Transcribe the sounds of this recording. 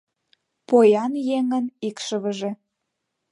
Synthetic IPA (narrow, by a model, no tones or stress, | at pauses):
pojɑnjeŋənikʃəβə̆ʒĕ